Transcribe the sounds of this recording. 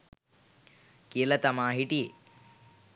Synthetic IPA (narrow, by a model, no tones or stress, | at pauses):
kijəlɐt̪ɐmaːɦiʈije